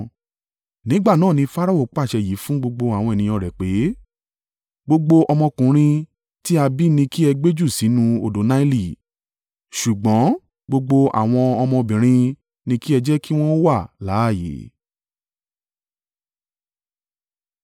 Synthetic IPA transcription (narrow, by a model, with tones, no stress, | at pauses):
nĩ˨˦ɡ͡ba˦˨nãː˦˨nĩ˧fa˦ɾa˦o˦˨k͡pa˦˨ʃɛ˧ji˨˦fũ˦ɡ͡bo˧ɡ͡bo˧a˨wɔ̃˧e˨nĩ˧j̃ɔ̃˧˨ɾɛ˨k͡pe˨˦ | ɡ͡bo˧ɡ͡bo˧ʔɔ˧mɔ̃˧kũ˨˦ɾ̃ĩ˧ | ti˦a˧bi˦nĩ˧ki˦ɛ˧ɡ͡be˦d͡ʒu˦˨si˨˦nũ˧o˨do˨˦na˦i˦li˦˨ | ʃu˨ɡ͡bɔ̃˨˦ | ɡ͡bo˧ɡ͡bo˧ʔa̰˨w̃ɔ̃˧ɔ˧mɔ̃˧bĩ˨ɾ̃ĩ˧ | nĩ˧ki˦ɛ˧d͡ʒɛ˦ki˦w̃ɔ̃˦o˦wa˦˨la˨˦˨jḛ˨˦